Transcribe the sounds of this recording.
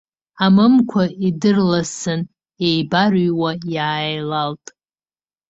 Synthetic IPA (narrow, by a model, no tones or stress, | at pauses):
amɨmkʷʰaidɨrlasɨn | ejbarɥwajaːjlaltʼ